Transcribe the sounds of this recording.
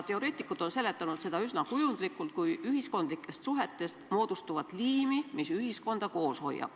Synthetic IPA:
t̪e̞o̞ɾe̞ːt̪ːˑikːˑut̪ˑo̞nse̞le̞t̪ːˑɑnut̪se̞d̪ɑysnɑkujund̪̥likːˑult̪̚kujyɦisko̞nd̪̥likːˑe̞st̪suɦe̞t̪ːˑe̞st̪mo̞ːd̪̥ust̪uvɑt̪liːmimisyɦisko̞nd̪̥ɑko̞ːsho̞̰jɑ̰b̥

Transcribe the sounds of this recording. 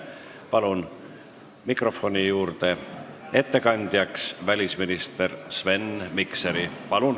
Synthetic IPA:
pɑlun | mikro̞fo̞nʲijuːrt̪e̞e̞t̪ːe̞kɑnʲd̪̥jɑksvælʲisminist̪e̞rsve̞nmikseɾipɑlun

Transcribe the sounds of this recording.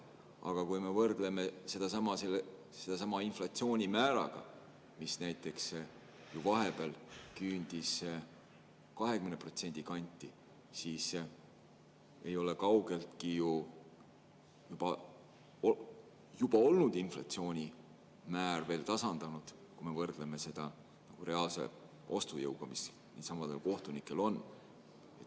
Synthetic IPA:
ʔɑ̰ɡ̥ɑkujme̞vɤrd̪̥le̞me̞se̞d̪ɑsɑmɑselː | se̞d̪̥ɑsɑmɑinflɑt̪sio̞ːnʲimæːɾɑ̰ɡ̥ɑ̰ | misnæjt̪ːˑe̞ks | juvɑɦe̞bælkyːnʲd̪̥is | kɑɦekymnepro̞t̪se̞nʲd̪̥ikɑnʲt̪ːˑi | siːs | e̞jo̞le̞kɑwɡ̥e̞lt̪kiju | jub̥ɑ | o | jub̥ɑo̞lnud̪inflɑ̰t̪sio̞ːnʲi | mæːrve̞ːlt̪ɑsɑnd̪̥ɑnud̪̥ | kume̞vɤrd̪̥le̞me̞se̞d̪̥ɑ | nɑɡ̥ure̞ɑːlse̞̰ | o̞st̪ujɤwɡ̥ɑmis | nḭt̪sɑmɑd̪elko̞ht̪unikːˑe̞lo̞n | e̞t̪ːˑ

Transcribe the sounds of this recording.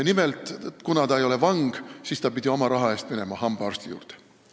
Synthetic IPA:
nimelt̪ˑkunɑt̪ɑejo̞levɑŋɡ̥siːst̪ɑpid̪ʲiomɑɾɑɦɑe̞ːst̪̚mine̞mɑhɑmb̥ɑrst̪ijṵːrt̪e̥

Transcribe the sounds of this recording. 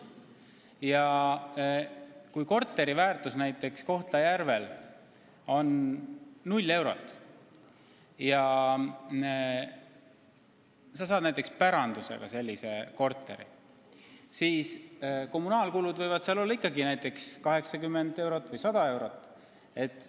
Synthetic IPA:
jɑ | kujko̞rt̪ːˑe̞ɾivæːrt̪usnæjt̪ːˑe̞ksko̞ht̪lɑjærve̞l | o̞nː | ulʲːe̞wɾo̞̰t̪ːˑ | jɑ | sɑsɑːd̪næjt̪ːˑe̞kspæɾɑnd̪̥use̞̰ɡ̥ɑ̰se̞lʲːise̞ko̞rt̪ːˑe̞̰ɾḭ | siːsko̞mːunɑːlkulud̪vɤjvɑd̪̥seɑlo̞lːɑikːɑɡinæjt̪ˑːe̞kskɑɦe̞ksɑkymːe̞nd̪e̞wɾo̞t̪ːˑvɯjsɑd̪̥ɑe̞wɾo̞t̪ːˑ | e̞t̪ːˑ

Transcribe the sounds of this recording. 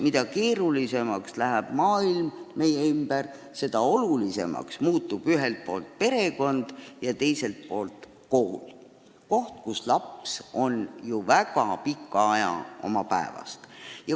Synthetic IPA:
mid̪ɑke̞ːɾulise̞mɑkslæɦæb̥mɑːilmme̞jeymb̥er | se̞d̪ɑo̞lulise̞̰mɑ̰ksmuːt̪ːub̥yɦe̞lt̪̚po̞ːlt̪̚pe̞ɾe̞ko̞nd̪̥jɑt̪e̞jse̞lt̪̚po̞ːlt̪ | kohl | ko̞ht̪kuslɑpso̞njuvækɑpikːˑɑɑjɑ̰o̞̰mɑpæe̞vɑ̰st̪jɑ

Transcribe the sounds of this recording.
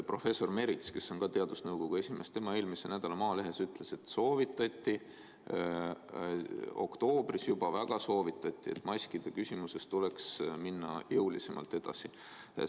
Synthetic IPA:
pro̞fe̞sːo̞rme̞ɾit̪ske̞sːo̞nkɑt̪e̞ɑd̪̥usnɤwɡ̥o̞ɡ̥ue̞sʲime̞st̪e̞mɑe̞ːlmise̞næd̪̥ɑlɑmɑːle̞ɦe̞syt̪ːˑle̞se̞t̪so̞ːvit̪ːˑɑt̪ʲːˑi | o̞̰kt̪o̞ːb̥risjub̥ɑvæɡ̥ɑso̞ːvit̪ːˑɑt̪ʲːˑie̞̰t̪ːˑmɑsʲkid̪̥e̞kysʲimuse̞st̪ule̞ksminːɑ̰jɤwlise̞mɑ̰lt̪e̞d̪̥ɑ̰si

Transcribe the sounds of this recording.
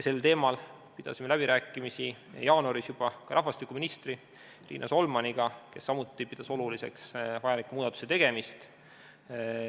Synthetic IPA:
jse̞lt̪e̞ːmɑl | pid̪̥ɑ̰sime̞læbiɾæːkːˑimisḭ | jɑːnoɾisjub̥ɑkɑɾʔɑɦvɑst̪ikːˑuminist̪ri | rḭːnʔɑ̰so̞lmɑniɡ̥ɑke̞sːɑmut̪ːˑipid̪̥ɑso̞lulise̞̰ksvɑjɑlikːˑumuːd̪ɑt̪ːu̥se̞t̪e̞ɡ̥e̞mist̪

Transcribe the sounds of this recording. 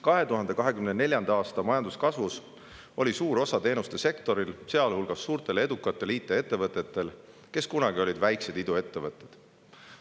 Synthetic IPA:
kɑɦe̞t̪uɦɑnd̪e̞kɑɦe̞kymnene̞lʲjɑnd̪ɑːst̪ɑmɑjɑnd̪uskɑsvus | o̞lʲisuːɾo̞sɑt̪e̞ːnust̪e̞se̞kt̪o̞ɾilse̞ɑlhulɡ̥ɑsːuːrt̪e̞le̞d̪ukːˑɑt̪ːˑe̞liːt̪ːˑee̞t̪ːˑe̞vɤt̪ːˑe̞t̪ːˑe̞l | ke̞skunɑɡio̞lʲid̪væjkse̞d̪̥id̪ue̞t̪ːe̞vɤt̪ːˑed̪̥

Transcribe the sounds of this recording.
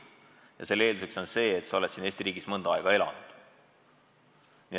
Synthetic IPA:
jɑselːe̞ːld̪use̞kso̞nse̞ːet̪sɑo̞lesiːne̞ːsʲt̪irɾiːɡ̥ismɤnd̪ɑɑˑeɡ̥ɑe̞lɑ̰nud̪̥ | ni

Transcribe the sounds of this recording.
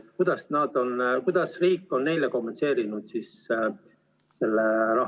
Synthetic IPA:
kud̪ɑsnɑd̪̥o̞nkujd̪̥ɑsriːkːˑo̞nːe̞jleko̞mːense̞ːɾinud̪̥sis | se̞lːeɾɑ

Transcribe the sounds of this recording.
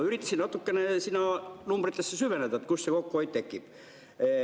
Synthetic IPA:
yrit̪ːɑsinɑt̪ːukːenesinɑnumbrit̪ːesːæsyʋenet̪ɑet̪kussekokːooit̪t̪ekːip

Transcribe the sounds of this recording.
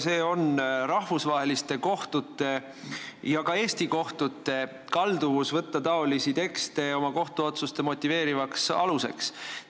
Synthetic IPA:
se̞ːo̞nɾɑhvusvɑɦe̞list̪e̞ko̞ht̪ut̪ːˑe̞ | jɑkɑe̞ːst̪iko̞ht̪ut̪ːˑe̞ | kɑld̪uvusvɤt̪ːɑt̪ɑo̞lisit̪e̞kst̪e̞o̞mɑko̞ht̪uo̞t̪sust̪e̞mo̞t̪ʲːˑive̞ːɾivɑksɑluse̞̰ks

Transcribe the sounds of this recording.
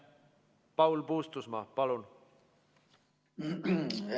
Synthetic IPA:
pɑwlpuːst̪usmɑpɑlun

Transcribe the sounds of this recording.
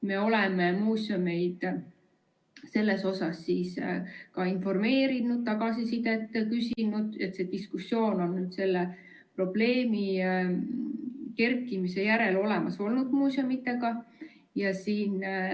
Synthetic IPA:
me̞o̞lememuːsʲome̞jd̪̥ | se̞lːe̞so̞sɑsːiːskɑinfo̞rme̞ːɾinud̪̥̚t̪ɑɡ̥ɑsisid̪et̪ːˑkysʲinud̪̥e̞t̪se̞d̪iskusːjo̞ːno̞nːyːd̪̥se̞lːe | pro̞b̥le̞ːmi | ke̞rkːˑimise̞jæɾe̞lo̞lemɑso̞lnud̪muːsjomit̪ːe̞ɡ̥ɑ | jɑsiːn

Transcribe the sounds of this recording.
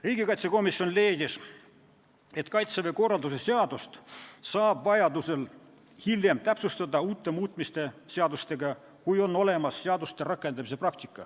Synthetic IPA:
riːɡ̥ikɑjt̪seko̞misjo̞nle̞ːd̪ʲis | e̞t̪kɑjt̪seveko̞rɑld̪us̬eseɑd̪̥ust̪sɑːb̥vɑjɑd̪use̞l | hilje̞mt̪æpsust̪ɑd̪ɑuːt̪ːˑe̞muːt̪ˑmist̪e̞se̞ɑd̪ust̪e̞ɡɑ | kujo̞nːo̞le̞mɑsːeɑd̪ust̪e̞rɑkːˑe̞nd̪ɑmis̬eprɑk̚t̪ikˑːɑ

